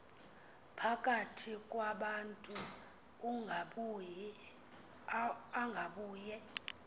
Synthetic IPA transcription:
pʰakʼatʰikʼwaɓantʼu | aŋɡʱaɓuːjɛ

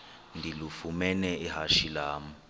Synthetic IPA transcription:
ndʱilufumɛnɛʔiɦaʃilaːmu

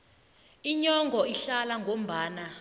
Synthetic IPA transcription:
iɲɔŋʱɔiɬalaŋɡʱom̩baːna

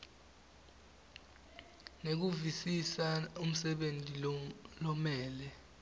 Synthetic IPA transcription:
nek̬uvisisaum̩sɛɓentʼilɔmɛːlɛ

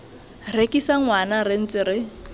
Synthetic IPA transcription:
rekʼisaŋwanarɪn̩t͡sɪɾɪ

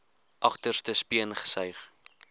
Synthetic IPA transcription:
ʔɐχtərstəspiənχə̥sœɥχ

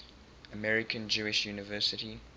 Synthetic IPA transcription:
əmɛɹɪkʰə̃nd͡ʒuːɪʃjuːnɪvɜːˑsɪti

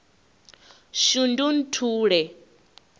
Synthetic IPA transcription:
ʃundun̩tʰuːɺɛ

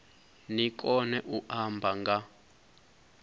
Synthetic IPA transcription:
nik̬ʼɔnɛʔuʔambʱaŋɡa

